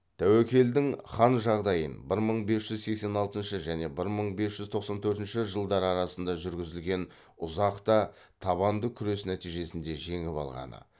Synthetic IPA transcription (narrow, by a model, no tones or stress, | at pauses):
t̪ʰæwekʲe̞ld̪ɪŋχɑnʒɑʁd̪ɑjənbɪɾməɴbe̞sʒ̥ʏzse̞kse̞nɑlˠt̪ənʃəʒæne̞bɪɾməɴbesʒ̥ʏzt̪ʰo̞qsɑnt̪ʰɵɾt̪ɪnʃɪʒəlˠd̪ɑɾɑɾɑsənd̪ɑʒʏɾɡʲɪzɪlɡʲe̞n | ʊzɑqt̪ɑ | t̪ʰɑβɑnd̪əkʲʰʏɾe̞snæt̪ijʒe̞sɪnd̪e̞ʒe̞ŋɪpɑ̰lˠʁɑ̰nə̰